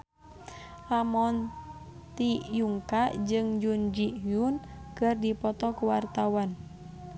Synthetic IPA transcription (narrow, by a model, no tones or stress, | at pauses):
ʔamɔn | t̪ijuŋkad͡ʒɨŋd͡ʒund͡ʒijunkɨrdipɔt̪ɔkuwart̪awan